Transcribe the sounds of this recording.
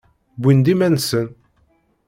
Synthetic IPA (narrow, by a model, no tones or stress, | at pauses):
bʷind̪imænsən